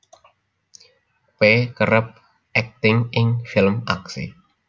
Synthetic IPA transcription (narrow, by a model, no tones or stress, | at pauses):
pekəɾəp̚ | ʔɛk̚t̪ɪŋɪŋfɪlmaksḭ